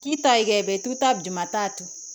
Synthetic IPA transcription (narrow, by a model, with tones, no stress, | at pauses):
ki˦tɔ˨i˨ɡɛ˨be˨tu˦ta˦b̚d͡ʒu˨ma˨ta˦tu˨